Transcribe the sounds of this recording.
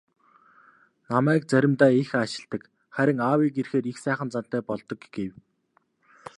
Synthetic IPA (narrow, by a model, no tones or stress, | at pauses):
namæːkt͡sæɾʲɪ̆mt̪æːexaʃɪ̆ɮt̪ə̆k | χæɾʲɪ̆ŋaːwiːkerxeːɾixsæːχə̆nt͡san̥t̪ːæːpɔɮt̪ɞ̆kɡ̥ew